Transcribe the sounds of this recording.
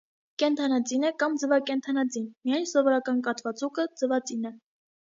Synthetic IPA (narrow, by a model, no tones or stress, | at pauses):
kɛnt̪ʰɑnɑt͡sinɛkɑmd͡zəvɑkɛnt̪ʰɑnɑt͡sinmijɑjnsɔvɔɾɑkɑnkɑt̪ʰvɑt͡sukəd͡zəvɑt͡sinɛ